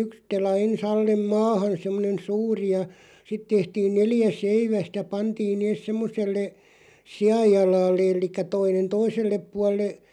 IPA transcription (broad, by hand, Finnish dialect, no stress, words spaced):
yks telɑ ens ɑlːem mɑːhɑn̞ semːonen̞ suːri jɑ sit tehtiːn neljæ seiʋæstæ pɑntiːn neːs semːoselːe siɑjːɑlɑːlːĕ elˑikːæ toinen toiselːep puɑlˑe